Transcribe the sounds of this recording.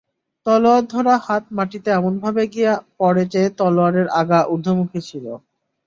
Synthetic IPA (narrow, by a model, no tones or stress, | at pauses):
t̪ɔload̪ʱɔɾahat̪̚maʈit̪eɛmonbʱabeɡijapɔɽet͡ɕaet̪ɔloaɾeɾaɡaʔud̪ʱːomukʰit͡ɕʰilo